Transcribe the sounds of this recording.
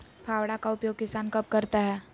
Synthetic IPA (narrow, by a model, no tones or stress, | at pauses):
pʰaːwɽakaʊpjoːɡ̚kɪsaːnkɐb̚kɐɾt̪aɦɛː